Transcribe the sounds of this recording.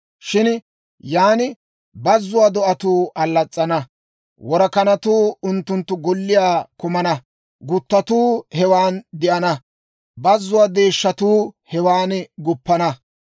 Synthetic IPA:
ʃɪn | jaːnɪ | bɐzːʊwaːd̪ɔʔɐt̪uːɐlːɐt͡sʼːɐnɐ | wɔɾɐkɐnɐt̪uːʊnt̪ːʊnt̪ːʊɡɔlːɪjaːkʊmɐnɐ | ɡʊt̪ːɐt̪uːhɛwaːnd̪ɪʔɐnɐ | bɐzːʊwaːd̪eːʃːɐt̪uːhɛwaːnɡʊpːɐnɐ

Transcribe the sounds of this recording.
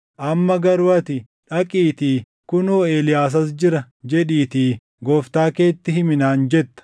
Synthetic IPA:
ʔɐmːɐɡɐɾʊɐt̪ɪ | ᶑɐkʼiːt̪iː | kʊnoːeːlɪjaːs̬ɐs̬d͡ʒɪɾɐ | d͡ʒɛᶑiːt̪iː | ɡɔːft̪aːke̞ːt̪ːɪɦɪmɪnaːnd͡ʒɛt̪ːɐ̥

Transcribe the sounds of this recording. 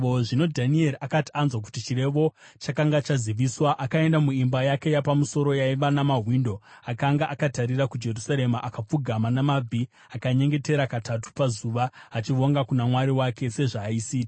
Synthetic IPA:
oʐino̞dʱanie̞ɾiakati̥anzwak̬u̥tit͡ʃire̞ʋo̞ | t͡ʃakaŋɡat͡ʃaziʋiswaʔakae̞ndamuimbajake̞japamuso̞ɾo̞jaiʋanamaɦwindo̞akaŋɡaʔakataɾiɾakud͡ʒe̞rusaɾe̞maʔakap͡fuɡʱamanamab͡vʱi | akaɲe̞ŋɡe̞te̞ɾakatʰatu̥pazuːʋaːt͡ʃiʋoŋɡakunamwaɾiwake̞se̞ʐaːisiːti̥

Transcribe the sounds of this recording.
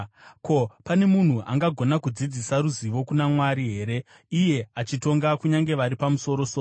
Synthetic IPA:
ko̞pane̞mun̤uʔa̰ŋɡaɡʱo̞nakud͡zid͡zisaɾuziʋo̞kunamwaɾiɦe̞ːɾe̞ | ije̞at͡ʃito̞ŋɡakuɲaŋɡe̞ʋaɾipamuso̞ɾo̞soː

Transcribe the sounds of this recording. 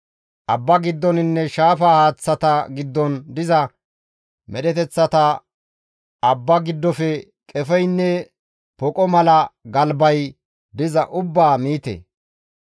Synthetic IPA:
ʔɐbːɐɡɪd̪ːɔnɪnːɛʃaːfaːhaːt͡sːɐt̪ɐɡɪd̪ːɔnd̪ɪzɐ | mʔɛɗɛt̪ɛt͡sːɐt̪ɐ | ɐbːɐɡɪd̪ːɔfɛ | kʼɛfɛjnːɛ | pɔkʼɔmɐlɐɡɐlbɐj | d̪ɪzɐʔʊbːaːmiːt̪ḛ

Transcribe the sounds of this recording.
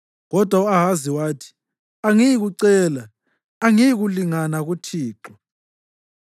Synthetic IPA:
ɣɔd̥ʱwauaɦaziwaːtʰi̥ | aŋijiɣuǀɛːla | aŋijiɣuliŋanaɣutʰiːǁɔ

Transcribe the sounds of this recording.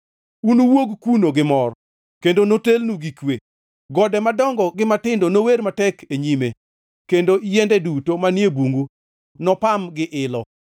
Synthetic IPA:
unuwoɡkunoɡɪmɔr | kendonotelnuɡikwe | ɡɔdɛmadɔŋɡɔɡɪmatɪndonoweɾmatɛkʰeɲime | kendojɛndɛdutomanjebuŋɡu | nɔpamɡɪʔɪlɔ

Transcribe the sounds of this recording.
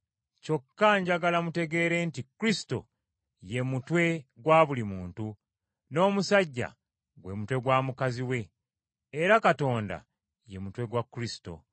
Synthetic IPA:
co̞kːaɲɟaɡalamute̞ɡe̞ːɾe̞ntikɾisi̥to̞̰ | je̞mutwe̞ɡwaːβulimuːntu | no̞ːmusaɟːa̰ | ɡwe̞mutwe̞ɡwaːmukaziwe̞ː | ɾakato̞ːnda̰ | je̞mutwe̞ɡwakːuɾisi̥to̞̰

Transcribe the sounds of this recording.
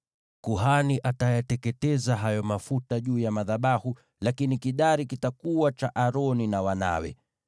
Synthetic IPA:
kuɦaniʔatajatɛkɛtɛzaɦajɔmafutaʄuːjamaðaɓahu | lakinikiɗaɾikitakuwat͡ʃaʔaɾɔninawana̰wɛ̰

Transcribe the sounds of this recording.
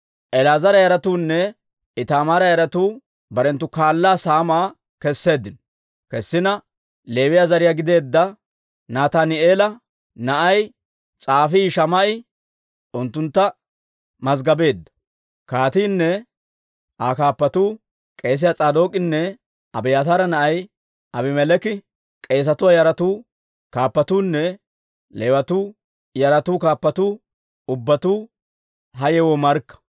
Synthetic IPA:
ʔɛlaːzɐɾɐjɐɾɐt̪uːnːɛ | ɪt̪aːmaɾɐjɐɾɐt̪uː | bɐɾɛnt̪ːʊkaːlːaːsaːmaː | kɛsːe̞ːd̪ːɪnɔ | kɛsːɪnɐ | le̞ːwɪjazɐɾɪjaːɡɪd̪e̞ːd̪ːɐ | naːt̪aːnɪeːlɐ | nɐʔɐj | t͡sʼaːfiːʃɐmɐʔɪ | ʊnt̪ːʊnt̪ːɐ | mɐzɡɐbe̞ːd̪ːɐ̥ | kaːt̪iːnːɛ | ʔakaːpːɐt̪uː | kʼe̞ːs̬ɪjat͡sʼaːd̪oːkʼːɪnːɛ | ʔɐbɛjat̪aːɾɐnɐʔɐj | ɐbɪmɛlɛkɪ | kʼe̞ːs̬ɐt̪ʊwajɐɾɐt̪uː | kaːpːɐt̪uːnːɛ | lewɐt̪uː | jɐɾɐt̪uːkaːpːɐt̪uː | ʊbːɐt̪uː | ɦɐjɛwɔmɐɾkːɐ̥

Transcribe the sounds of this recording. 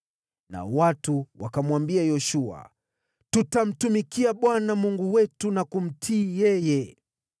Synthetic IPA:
na̰watuwakamwambiajɔʃua̰ | tutam̩tumikiaɓwanamuŋɡuwɛtunakum̩tʰiːjɛjɛ

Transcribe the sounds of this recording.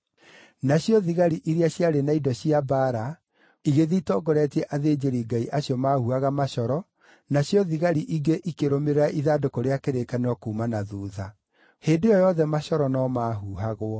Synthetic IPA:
naɕjɔðiɣaɾiʔiɾiaɕiaɾenaidɔɕiabaːɾa | iɣeðitɔːɡɔɾɛtiɛʔaðed͡ʑeɾiɡaiʔaɕjɔmahuaɣamaʃɔɾɔ | naɕjɔðiɣaɾiʔiɡeʔikeɾomeɾeɾaʔiðadokoɾeakeɾekaneɔkuːmanaðuːða | heːndojɔjɔðɛmaʃɔɾɔnɔmaːɦuɦaɣwɔ

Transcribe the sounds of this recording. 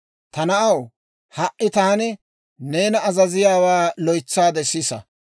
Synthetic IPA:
t̪ɐnɐʔɐw | hɐʔʔɪt̪aːnɪ | neːnɐːzɐzɪjaːwaːlɔjt͡sːaːd̪ɛsːisɐ̰

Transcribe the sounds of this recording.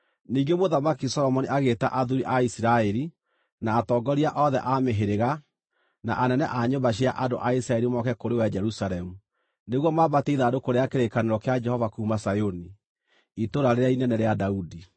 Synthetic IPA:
niːŋɡemoðamakisɔɾɔmɔniaɣeta̰ʔaðuɾiʔaisiɾaɛɾi | naːtɔːɡɔɾiaʔɔðɛʔameɦeɾeɣa | na̰ʔanɛnɛʔaɲobaɕ̬iaʔando̰ʔaisiɾaɛɾimɔkɛkoɾewad͡ʒɛɾusaɾɛmu | neɣwɔmabateiðaːdokoɾeakeɾekaneɾɔkead͡ʒɛhɔvakuːmasajoni | itoɾaɾeɾainɛnɛɾeadaudi

